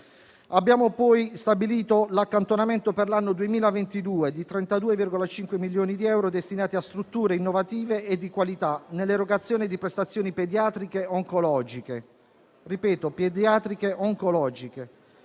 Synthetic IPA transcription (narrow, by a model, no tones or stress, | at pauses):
abːjaːmopɔjst̪abiliːt̪olakːant̪onament̪operlanːod̪uemiːlavent̪id̪uːed̪it̪ɾɛnt̪ad̪uːevirɡolat͡ʃiŋkwemiljoːnid̪iɛwɾod̪est̪inaːt̪iast̪ɾut̪ːuːɾeinːovat̪iːveʔed̪ːikwalit̪anelːeɾoɡat̪sːjoːnid̪ipɾest̪at̪sːjoːniped̪jaːt̪ɾikeoŋkolɔːd͡ʒike | ripɛːt̪oped̪jaːt̪ɾikeʔoŋkolɔːd͡ʒike